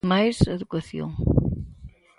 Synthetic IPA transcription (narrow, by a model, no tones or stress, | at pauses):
majzeðukɐθjõ̰ŋ